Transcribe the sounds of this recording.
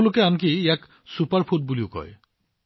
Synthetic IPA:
lʊkeank̬iːak | supaɹpʰut̚buliʊkɔ̰j

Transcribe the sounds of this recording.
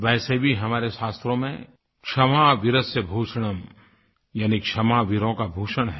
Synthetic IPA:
ʋɛːsebʱiɦɐmaːɾeʃaːst̪ɾõmḛ̃ | kʃɐmaʋɪɾəsjəbʱuːʃɽ̃əm | jaːnikʃɐmaʋɪɾõkabʱuːʃəɽ̃ɦɛ

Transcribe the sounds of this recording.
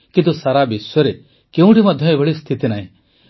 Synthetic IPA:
kint̪usaɾabisɔɾe | keũʈimɔd̪ʱjɔebʱɔɭist̪ʰit̪inaɦĩ

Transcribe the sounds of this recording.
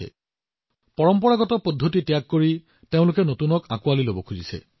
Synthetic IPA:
ɛ̰ | pɔɹɔmpɔɹaɡɔtɔpodʱːotitjakːoɹi | teʊ̃lʊkɛnotunɔka̰kualilobɔkʰuzisɛ̰

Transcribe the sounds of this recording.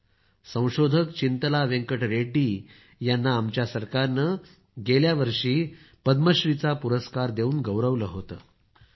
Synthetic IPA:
sə̃w̃ɕod̪ʱəkt͡ɕint̪əlaʋẽŋkəʈɾeʈiː | janːaːmt͡ɕjasəɾkaɾnə | ɡeljaʋəɾʂiː | pəd̪məɕɾit͡sapuɾəskaɾd̪euːnɡəwɾəʋləɦot̪ə̰ː

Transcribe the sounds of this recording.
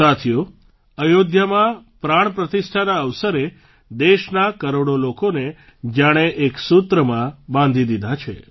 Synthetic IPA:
at̪ʰijo | əjod̪jəmãpɾaɳ̃pɾət̪isʈʰanaəʋsəɾe | d̪eʃnakəɾoɽolokone | d͡ʒaɽ̃eʔeksut̪ɾəmãbãnd̪ʱid̪id̪ʱat͡ʃʰḛ

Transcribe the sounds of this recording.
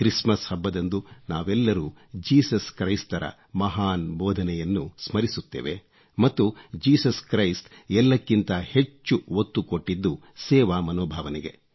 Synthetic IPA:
kɾismɐshɐbːɐd̪ɐnd̪unaːʋɛlːɐɾuːd͡ʒiːsɐskɾɐjst̪ɐɾɐ̰ | mɐɦaːnbɔːd̪ʱɐnɛjɐnːusmɐɾisut̪ːḛːʋe̞̰ | mɐt̪ːud͡ʒiːsɐskɾɐjst̪ɛlːɐkːint̪ɐhe̞t͡ʃːuʋot̪ːukoʈːid̪ːu | sɛːʋaːmɐnɔːbʱaːʋɐnɛɡe̞̰

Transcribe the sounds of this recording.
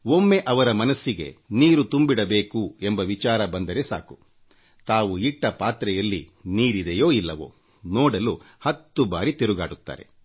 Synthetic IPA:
omːe̞ʔɐʋɐɾɐmɐnɐsːiɡe̞̰niːɾut̪umbiɽɐbe̞ːkuembɐʋit͡ʃaːɾɐbɐnd̪ɐɾe̞sa̰ːku̥ | t̪aːʋuiʈːɐpaːt̪ɾɐjɐlːḭniːɾid̪ɛjo̞ːilːɐʋo̰ː | nɔːɽɐlu | hɐt̪ːubaːɾit̪eɾuɡaːɽut̪ːa̰ːɾe̞̰

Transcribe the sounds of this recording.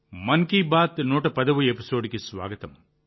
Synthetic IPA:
mɐŋkibaːt̪noːʈːɐpɐðɐʋɯɛpɪsoːɽɪkʲːɯsʋa̰ːɡɐt̪ːɐm

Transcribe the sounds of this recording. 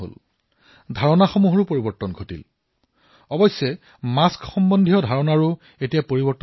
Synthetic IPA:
o̰l | dʱaɹɔnaxɔmuɦɔɹʊpoɹibɔɹtːɔnɡʱotḭl | ɔbɔsːɛ | maskxɔmbɔndʱiɔdʱaɹɔnaɹu | etijapoɹibɔɹtː

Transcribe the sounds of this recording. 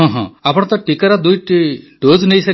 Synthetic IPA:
ɦɔ̃ɦɔ̰̃apɔɽ̃ɔt̪ɔʈikaɾad̪ujʈiɖoznejsɐ

